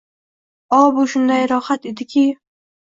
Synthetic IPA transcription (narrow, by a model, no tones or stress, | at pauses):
ɒbʊʃʊnd̪ajɾɒhat̪ed̪ɪkʲʰɪ